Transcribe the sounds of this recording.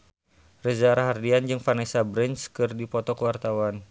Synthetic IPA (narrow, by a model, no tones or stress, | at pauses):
rəzaɾaɦardiand͡ʒɨŋfanɛsabɾɛnskɨrdipɔt̪ɔkəwart̪awan